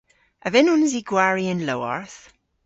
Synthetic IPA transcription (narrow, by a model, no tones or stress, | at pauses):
əvɪnʊnziɡwaɹiɪ̃nloːɔ̰ɹθ